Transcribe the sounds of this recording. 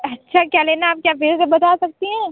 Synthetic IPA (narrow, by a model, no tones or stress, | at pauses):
ɐtːʃʰakjaːleːnaaːp̚kjaːbeːzsebɐt̪aːsɐk̚t̪iɦɛ̃ː